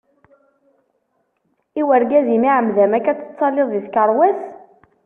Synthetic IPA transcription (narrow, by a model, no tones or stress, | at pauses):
iwəɾɡæzimiʕəmðæmækæt͡sːə̥t͡sːɑlːɪðˤðiθkəɾˤwæs